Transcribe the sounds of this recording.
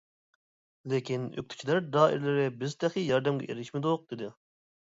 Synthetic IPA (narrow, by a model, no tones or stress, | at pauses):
lɪkʲinø̰k̚ʲt̪ʰy̥t͡ʃʰilæɾd̪ɑːḭɾɪlɪɾɪbɪzt̪ʰæχijɑɾd̪ɛmɡʲɛ̰ʔḛɾɪʃmɪd̪ʊq̚d̪̥ɪd̪ɪ